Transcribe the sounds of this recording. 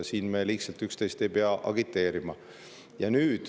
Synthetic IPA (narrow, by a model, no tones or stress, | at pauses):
siːnme̞lihtsɑlt̪ykst̪e̞jst̪e̞jpeɑʔɑ̰ɡ̥it̪ːˑe̞ːɾimɑ | jɑnyːd̪̥